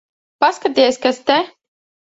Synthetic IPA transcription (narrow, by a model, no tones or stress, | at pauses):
paskat̪iɛsʲkast̪ɛ